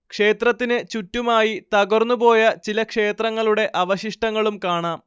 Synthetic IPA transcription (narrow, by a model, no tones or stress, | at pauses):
kʂe̞ːt̪rɐt̪ːinɨt͡ɕutːumaːjit̪ɐɡɐrnːubo̞ːjɐt͡ɕilɐkʂe̞ːt̪rɐŋːɐɭuɽe̞ʔɐʋɐɕiʂʈɐŋːɐɭumkaːɳaːm